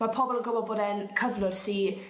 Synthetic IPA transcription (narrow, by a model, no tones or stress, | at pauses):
mapʰɔbɔlˠənɡɔbɔbɔdɛnkʰəvlˠʊrsi